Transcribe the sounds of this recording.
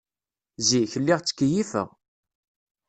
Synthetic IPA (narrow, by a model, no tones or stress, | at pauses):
ziçəlːɪʁt͡sːə̥kːəjifə̰ʁ